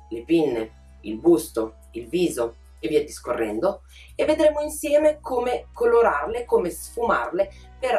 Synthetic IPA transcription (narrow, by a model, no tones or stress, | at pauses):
lepinːe | ilbust̪o | ilviːzo | evːiɛd̪iskorːɛnd̪o | evːed̪ɾemoinsjɛːmekʰoːmekoloɾarlekomesfuma̰rle | peɾ